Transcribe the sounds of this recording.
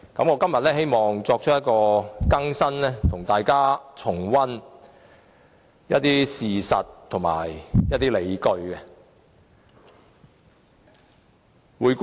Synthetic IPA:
kɐ˨˥mŋɔː˨˧kɐ˥mjɐ˨t̚lɛː˥he˥jmɔː˨ŋt͡sɔː˧k̚t͡ʃ̚ʰjɐ˥t̚kɔː˧kɐ˥ŋsɐ˥nlɛː˥t̪ʰʊ˨˩ŋt̪aː˨jkaː˥t͡sʰʊ˨˩ŋwɐ˥n | jɐ̰˥t̪̚iː˥siː˨sɐ̰˨tt̪ʰʊ˨˩ŋma̰ː˨˩jjɐ˥t̪iː˥le˨˧jkɵ˧ɥkɛ˧ | wuː˨˧jk

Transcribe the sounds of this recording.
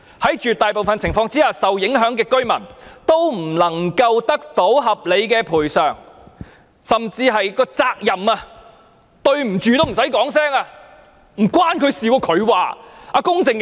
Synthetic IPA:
hɐ˨˥jt͡ʃyː˨t̪aː˨jpo˨wfɐ˨nt͡sʰɪ˨˩ŋfɔː˧ŋt͡siː˥haː˨sɐ˨wjɪ˨˥ŋɦœː˨˥ŋkɛː˧kɵ˥ɥmɐ̰˨˩nt̪o˥wm̩˨˩lɐ˨˩ŋkɐ˧wt̪ɐ˥k̚t̪o˨˥wɦɐ˨p̚le˨˧jkɛː˧pʰuː˨˩jsœː˨ŋ | sɐ˨mt͡siː˧ɦɐ˨jkɔː˧t͡saː˧k̚jɐ˨maː˧ | t̪ɵ˧ɥm̩˨˩t͡ʃyː˨˧t̪o˥wm̩˨˩sɐ˨˥jkɔː˨˥ŋsɛː˥ŋaː˧ | m̩˨˩kwaː˥nkʰɵ˨˧ɥsiː˨˧wɔ˨˧kʰɵ˨˧ɥwa̰ː˨a˧kʊ˥ŋt͡sɪ˨ŋ

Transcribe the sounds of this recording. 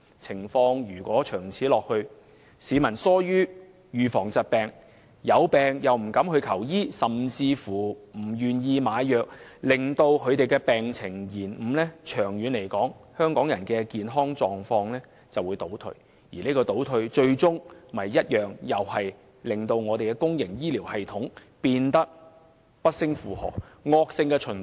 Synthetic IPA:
t͡sʰɪ˨˩ŋfɔː˧ŋjyː˨˩kʷɔː˨˥t͡ʃʰœː˨˩ŋt͡sʰiː˨˥lɔː˨k̚hɵ˧ɥ | siː˨˥mɐ˨˩nsɔː˥jyː˥ | jyː˨˧fɔː˨˩ŋt͡sɐ˨t̚pɛː˨˩ŋ | jɐ˨˧wpɛː˨ŋjɐ˨˩wm̩˨˩kɐ˨˥mhɵ˧ɥkʰɐ˨˩wjiː˥sɐ˨mt͡siː˧fuː˨˩m̩˨˩jyː˨˩njiː˧maː˨˧˥jjœː˨k̚lɪ˨˩ŋt̪o˧wkʰɵ˨˧ɥt̪e˨jkɛː˧pɛː˨ŋt͡sʰɪ˨˩ŋjiː˨˩nm̩ː˨˩lɛː˥t͡ʃʰœː˨˩ŋjyː˨˧nle˨˩jkɔː˨˥ŋhœː˥ŋkɔː˨˥ŋjɐ˨˩nkɛː˧kiː˨nɦɔː˥ŋt͡ʃɔː˨ŋfɔː˧ŋlɛː˥ | t͡sɐ˨wuː˨˧˥jt̪o˨˥wt̪ʰɵ̰˧ɥ | jḭː˨˩ne˥kɔː˧t̪o˨˥wt̪ʰɵ˧ɥt͡ʃɵ˧ɥt͡sʊ˥ŋmɐ˨jːɐ˥t̚jœː˨˩ŋjɐ˨whɐ˨j | lɪ˨ŋt̪o˧wŋɔː˨˧t̪e˨jkɛː˧kʊ˥ŋjɪ˨˩ŋjiː˥liː˨˩whɐ˨jt̪ʰʊ˨˥ŋ | piː˧nt̪ɐ˥k̚ | pɐ˥t̚sɪ˥ŋfuː˨hɔ̰ː˨kŋɔː˧k̚sɪ˧ŋkɛː˧t͡ʃʰɵ˨˩n

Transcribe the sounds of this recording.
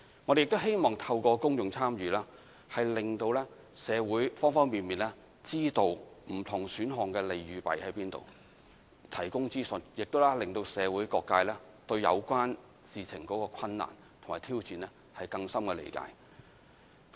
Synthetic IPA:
ŋɔ˨˧d̪e˨jɪ˨k̚t̪o˥whe˥jmɔː˨ŋt̪ʰɐ˧wkɔː˧kʊ˥ŋjʊ˨ŋt͡sʰaː˥mjyː˨laː˥ | hɐ˨jlɪ˨ŋt̪o˧wlɛː˥ | sɛː˨˧wuː˨˥jfɔː˥ŋfɔː˥ŋmiː˨nmiː˨˩nlɛː˥ | t͡siː˥t̪o˨˧wm̩˨˩t̪ʰʊ˨˩ŋsyː˨˥nɦɔː˨˩ŋkɛː˧le˨jjyː˨˧pɐ̰˨jhɐ˨˦jpiː˥nt̪o̰˨w | t̪ʰɐ˨˩jkʊ˥ŋt͡siː˥sɵ˨˥njɪ˨k̚t̪o˥wlɛː˥lɪ˨ŋt̪o˧wsɛː˨˧wuː˨˥jkɔː˧kːaː˧jlɛː˥ | t̪ɵ˧ɥjɐ̰˨˧wkʷaː˥n | siː˨t͡sʰɪ˨˩ŋkɔː˨˥kɔː˧kʷʰɐ˧nːa̰ː˨˩n | t̪ʰʊ˨˩ŋmaː˨˩t̪ʰiː˥wt͡siː˨nlɛ˥ | hɐ˨jkɐ˧ŋsɐ˥mkɛː˧lḛ˨˩jka̰ː˧j

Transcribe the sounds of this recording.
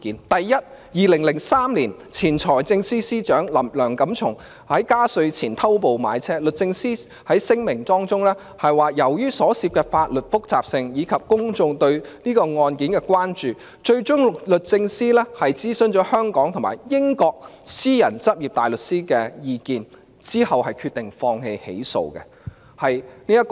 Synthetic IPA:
iː˨˥nt̪ɐ˨jːɐ˥t̚ | jiː˨lɪ˨˩ŋlɪ˨˩ŋsaː˥mliː˨˩n | t͡sʰiː˨˩nt͡ʃʰɔː˨˩jt͡sɪ˧ŋsiː˥siː˥t͡ʃœː˨˥ŋlɐ˨˩lœː˨˩ŋkɐ˨˥mt͡ʃʰʊ˨˩ŋ | hɐ˨˥jkaː˥sɵ˧ɥt͡sʰiː˨˩nt̪ʰɐ˥wp̬o˨wma̰ː˨˧jt͡sʰɛː˥lɵ˨t̚t͡sɪ˧ŋsiː˥ | hɐ˨˥jsɪ˥ŋmɪ˨˩ŋt̪ɔː˥ŋt͡sʊ˥ŋlɛː˥ | hɐ˨jwaː˨jɐ˨˩wjyː˥sɔː˨˥siː˧p̚kɛː˧faː˧t̚lɵ˨t̚fʊ˥k̚t͡saː˨p̚sɪ˧ŋjiː˨˧kʰɐ˨p̚kʊ˥ŋt͡sʊ˧ŋt̪ɵ˧ɥniː˥kɔː˧ŋɔː˧nkiː˨˥nkɛː˧kwaː˥nt͡ʃyː˨ | t͡ʃɵ˧ɥt͡ʃʊ˥ŋlɵ˨t̚t͡sɪ˧ŋsiː˥lɛː˥hɐ˨jt͡siː˥sɵ˨nt͡ʃɔː˨˥hœː˥ŋkɔː˨˥ŋt̪ʰʊ˨˩maː˨˩jjɪ˥ŋkɔː˧k̚siː˥jɐ˨˩nt͡sɐ˥p̚ji˨p̚t̪aː˨˩jlɵ˨t̚siː˥kɛ˧jiː˧kiː˨n | t͡siː˥hɐ˨whɐ˨jkʰyː˧t̪ɪ˨˩ŋfɔː˧ŋhe˧jhḛ˨˥jso̰˨˧wkɛ̰˧ | hɐ˨jniː˥jɐ˥t̚k

